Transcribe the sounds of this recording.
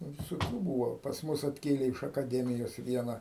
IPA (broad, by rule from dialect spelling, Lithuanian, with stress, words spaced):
ˈnʊ ʋʲɪsoːˈkʲuː ˈbuːʋoː pɐs ˈmʊs ɐtʲˈkʲeːlʲeː ɪʃ ɐkɐˈdʲæːmʲɪjoːs ˈʋʲiɛnɐ